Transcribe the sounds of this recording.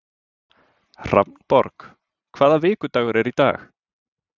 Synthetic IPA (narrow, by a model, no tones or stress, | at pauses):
r̥a̰mnb̥ɔ̰rɡ̥ | kʰv̥aːðaveːɡʊdawɾɛɾida̰ːx